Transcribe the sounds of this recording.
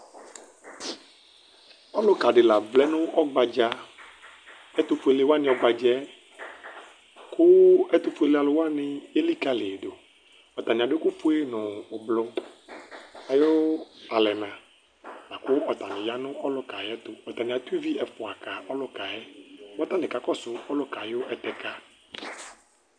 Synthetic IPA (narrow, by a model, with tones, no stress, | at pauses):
ɔ˦lʊ˦ka˨ɖɪ˨la˨vlɛ˦nʊ̃˦ʔɔ˦ɡ͡ba˨d͡ʒa˦ | ɛ˦t̪ʊ˦fʊ˨˦e˨le˦wa˦nɪ̃˨˦ɔ˦ɡ͡ba˨d͡ʒɛ˦ | kʰʊ˦ɛ˦t̪ʊ˦fʊ˦e˨le˦a˨lʊ˨wa˦nɪ̃˨je˦li˦ka˦le˨ɖo˨ | ɔ˨t̪a˨nĩ˨a˨ɖɪ˦kʊ˦fʊ˦e˦nʊ̃ː˨blʊ˦ | a˨jo˦a˨lɛ˨nã˨ | la˨kʊ˦ɔ˨t̪a˨nɪ̃˨ja˦nʊ̃˦ʔɔ˦lʊ˦ka˨jɛ˦t̪ʊ˨ɔ˨t̪a˨nɪ̃˨a˨t̪u˦i˦vi˦ɛ˨fʊ˨a˨ka˨ɔ˦lʊ˦ka˨jɛ˦wɔ˦t̪a˦nɪ̃˨ka˨kɔ˦sʊ˨ɔ˦lʊ˦ka˨jo˦ʔɛ˨t̪ɛ˦ka˦